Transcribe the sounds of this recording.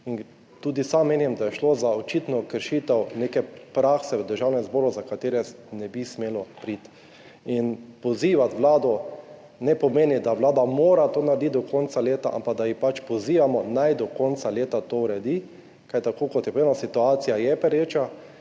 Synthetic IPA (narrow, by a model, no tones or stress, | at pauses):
in | t̪uːd̪isamːeːnɛmd̪ajɛʃloːzaot͡ʃit̪nɔkəɾʃiːt̪ɛwneːkɛpɾaxsɛʋɛd̪əɾʒawnɛzboːɾuzakat̪eːɾɛnɛbismeːlɔpɾit̪ | inpɔziːʋat̪ʋlaːd̪ɔ | nɛpɔmeːnid̪aʋlaːd̪amoːɾat̪oːnaɾd̪it̪̚d̪ɔkʰɔnt̪saleːt̪a̰ʔa̰mpaɡ̚d̪ajixpat͡ʃpɔziːʋamɔnajd̪ɔkɔnt̪saleːt̪at̪owɾɛd̪i | kat̪akoːkɔt̪jɛpenasit̪uaːt̪sijajɛpɛɾeːt͡ʃa